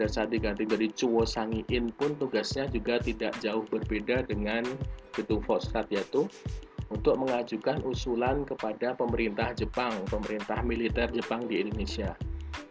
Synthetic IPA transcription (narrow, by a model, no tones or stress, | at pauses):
dansad̪iɡant̪ɪd͡ʒadit͡ʃuwɔsaŋiʔɪnpʊnt̪uɡasɲad͡ʒuɡat̪idaʔd͡ʒaʊhbərbedadəŋankit̪ufɔsɾat̪jait̪uunt̪ʊk̚məŋad͡ʒukanʔusulankəpadapəməɾint̪ahd͡ʒəpaŋpəməɾint̪ahmilit̪ɛrd͡ʒəpaŋdiːndonesia